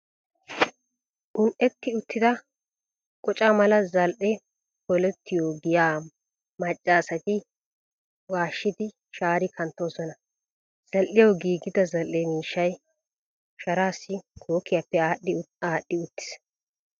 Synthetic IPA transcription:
ʔʊnʔɛt̪ːɪʊt̪ːɪd̪ɐ | kʼɔt͡ʃʼamɐlɐzɐlʔɛ | pɔlɛt̪ːɪjoːɡɪjaː | mɐt͡ʃʼːaːsɐt̪ɪ | waːʃːɪd̪ɪ | ʃaːɾɪkʰɐnt̪ːo̞ːsɔnɐ | z̥ɐlʔɪjɐɡiːɡɪd̪ɐzɐlʔɛmiːʃːɐj | ʃɐɾaːsːɪkʰoːkʰːɪjapːɛaːɗɪaːɗːɪʊt̪ːɪ̥s

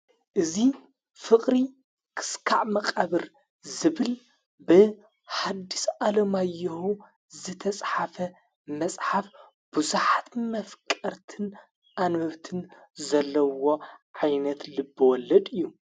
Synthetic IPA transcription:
ʔɨzi | fɨqʼɾi | kʰɨ̥skʰaʕmɐqʼaβɨɾ | zɨβɨl | bɨ | ħad̪ːisʔalɐmajːɐhu | zɨt̪ʰɐt͡sʼħafɐ | mɐsʼħaf | b̥uzuħat̪mɐfkʼɐɾt̪ʰɨn | ʔanmɐβt̪ʰɨn | zɐlːɐwo̞ʕajnɐt̪lɨbːɨwɔlːɐd̪ɨjːu

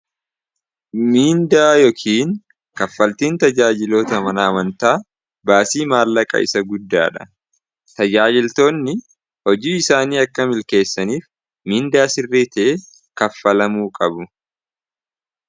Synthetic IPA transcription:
miːnd̪aːjɔkʰiːn | kɐfːɐlt̪iːnt̪ɐd͡ʒaːd͡ʒɪloːt̪ɐmɐnɐːmɐnt̪aː | baːsiːmaːlːɐkʼɐ̰ʔɪ̰sɐɡʊd̪ːa̰ːᶑɐ | t̪ɐd͡ʒaːd͡ʒɪlt̪o̞ːnːɪ | hɔd͡ʒiːɪsaːniːɐkːɐmɪlke̞ːsːɐniːf | miːnd̪aːsɪrːit̪e | kɐfːɐlɐmuːkʼɐbʊ

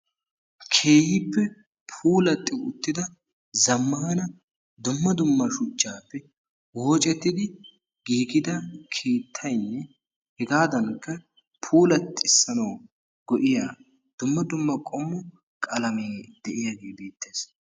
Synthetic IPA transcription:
kʰe̞ːjɪpːɛ | pʰuːlɐt̪ʼːɪʊt̪ːɪd̪ɐ | zɐmːɐhɐnɐ | d̪ʊmːɐd̪ʊmːɐʃʊt͡ʃːaːpːɛ | woːt͡ʃʼɛt̪ːɪd̪ɪ | ɡ̥iːɡɪd̪ɐkʰeːt̪ʰːɐjnːɛ | hɛɡaːd̪ɐnkːɐ | pʰuːlɐt̪ːɪɪsːɐnɐw | ɡɔʔɪjaː | d̪̥ʊmːɐd̪ʊmːɐkʼɔmːʊ | kʼɐlɐmeːd̪ɛʔɪjaɡeːbeːt̪ːeːs

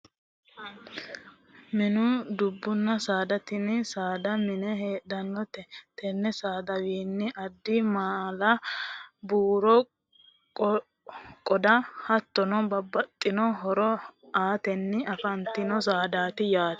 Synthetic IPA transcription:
mɪnʊd̪ʊbːʊnːɐsaːd̪ɐt̪ɪnsaːd̪ɐmɪnɛɦeːdɐnːɔt̪ɛt̪ɛnːɛsaːd̪ɐwiːnːɪʔɐd̪ːɪmaːlɐ | buːɾɔ | kʼ | kʼɔd̪ɐhɐt̪ːɔnɔbɐbːɐt̪ʼːɪnɔɦɔɾɔaːt̪ɛnːɪɐfɐnt̪ɪnɔs̬aːd̪aːt̪ɪjaːt̪ɛ̥

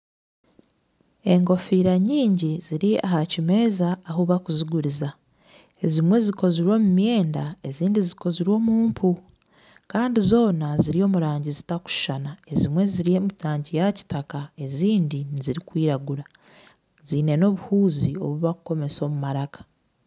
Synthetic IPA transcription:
e̞ŋɡo̞fiːɾaɲiːɲɟiziɾia̰ɦacime̞zaːɦuβakuziɡuɾiza | e̞zimwe̞ziko̞ziɾwo̞ːmumje̞ːndae̞ziːndiziko̞ziɾwo̞ːmuːmpʰu | kaːndizo̞ːnaziɾio̞ːmuɾaːɲɟizitaku̥ʃʃanae̞zimwe̞ziɾiemitaːɲɟijaci̥takae̞ziːndiniziɾikwiːɾaɡuɾa | ziːne̞no̞ːβuhuːzio̞̰βuβakuko̞me̞so̞ːmumaɾakḁ

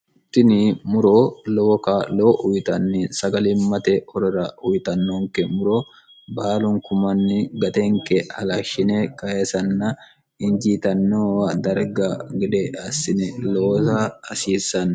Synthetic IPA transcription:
ʊt̪ːɪnimʊɾoːloːkaːloːʔʊjt̪ɐnːinsɐɡɐlɪmːɐt̪eɔɾɪɾɐʔʊjt̪ɐnːoːŋkɛmʊɾoː | baːlʊŋkʊmɐnːɪɡɐt̪eːŋkɛɐlaːʃɪneːkɐesɐnːɐ | ɪnd͡ʒiːt̪ɐnːoːwɐd̪ɐɾɡaɡɪd̪ɛɐsɪnɛloːtaːsiːsɐn

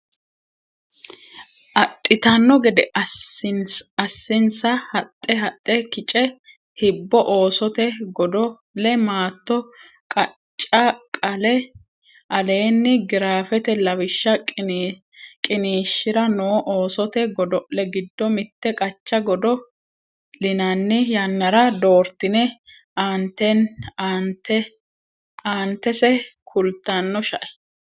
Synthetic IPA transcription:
ʔɐt̪ʼːɪt̪ɐnːɔɡɛd̪ɛ | ɐsːɪnsɐhɐt̪ʼːɛɦɐt̪ʼːɛkɪt͡ʃʼɛ | hɪbːɔʔo̞ːsɔt̪ɛɡɔd̪ɔ | lɛmaːt̪ːɔ | kʼɐ | t͡ʃʼːɐkʼɐlɛ | ʔɐle̞ːnːɪɡɪɾaːfɛt̪ɛlɐwɪʃːɐ | kʼɪniːʃːɪɾɐnoːʔoːsɔt̪ɛɡɔd̪ɔʔlɛɡɪd̪ːɔmɪt̪ːɛkʼɐt͡ʃːɐɡɔd̪ɔ | lɪnɐnːɪjɐnːɐɾɐd̪o̞ːɾt̪ːɪnɛ | aːnt̪ːɛnnt̪ɛ | aːnt̪ːɛsɛkʰʊlt̪ːanːɔʃɐʔɛ̥

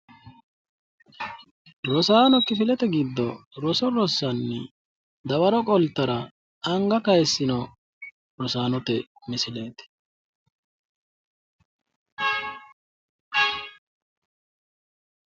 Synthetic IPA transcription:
ɾɔsaːnɔkːɪfɪlɛt̪ɛɡɪd̪ːɔɾɔsɔɾɔsːɐnːɪ | d̪ɐwɐɾɔkʼɔlt̪ːɐɾɐ | ɐŋɡɐkɐjsːɪnɔ | ɾɔsaːnɔt̪ɛ | mɪsɪle̞ːt̪ɛ̥

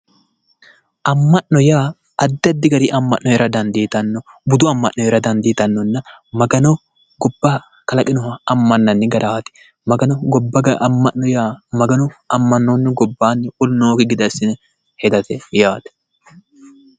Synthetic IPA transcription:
ʔɐmːɐʔnɔjaː | ɐd̪ːɪɐd̪ːɪɡɐɾɪʔɐmːɐʔːɔɛɾɐd̪ɐnd̪iːt̪ɐnːɔbʊd̪ʊɐmːɐʔnɔjɛɾɐd̪ɐnd̪iːt̪ɐnːɔnːɐmɐɡɐnɔ | ɡɔbːɐ | kɐlɐkʼɪnɔhɐɐmːɐnːɐnːɪɡɐd̪aːt̪ɪ̥ | mɐɡɐnɔɡɔbːɐɡɐʔɐmːɐʔnɔjaːmɐɡɐnɔɐmːɐnːonːɪɡɔbːaːnːɪʔʊlnoːkɪɡɪd̪ɐsɪnɛ | hɛd̪ɐt̪ɛjaːt̪ɛ̥

